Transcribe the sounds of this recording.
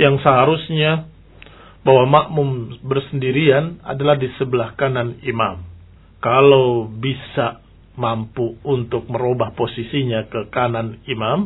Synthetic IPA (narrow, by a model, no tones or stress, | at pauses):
jaŋsəɦaɾusɲa | bawamaʔmʊmbərsəndiɾiana̰dalahdisəbəlahkananimam | kalawbisa | mampuunt̪ʊk̚məɾobahposisiɲakəkananimam